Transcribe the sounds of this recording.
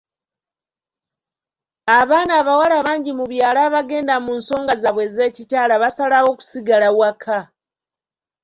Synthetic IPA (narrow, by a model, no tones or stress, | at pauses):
aβaːnaːβawalaβaːɲɟimuβjaːlaːβaɡe̞ːndamuːnso̞ːŋɡazaβwe̞ze̞ːcitaːlaβasalawo̞ku̥siɡalawakʰa